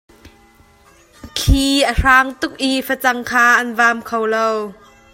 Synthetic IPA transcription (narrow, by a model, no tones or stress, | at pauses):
kʰiːʔəʂaːŋt̪ʊk̚ʔifət͡sɐŋkʰaːʔɐnvaːmkʰowlow